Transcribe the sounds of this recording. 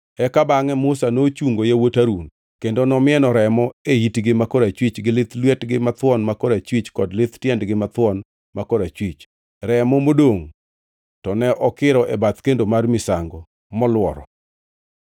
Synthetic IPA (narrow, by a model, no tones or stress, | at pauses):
ɛkabaŋɛmʊsanot͡ʃuŋɡojawotaɾun | kendonɔmɪɛnɔɾɛmɔeitɡɪmakɔɾat͡ʃwit͡ʃɡɪlɪt̪lwɛtɡɪmat̪wɔnmakɔɾat͡ʃwit͡ʃkɔdlɪt̪tjɛndɡɪmat̪wɔn | makɔɾat͡ʃwit͡ʃ | ɾɛmɔmodoŋ | tɔnɛʔɔkɪɾɔʔɛbat̪kendomarmɪsaŋɡɔ | mɔlwɔ̰ɾɔ̰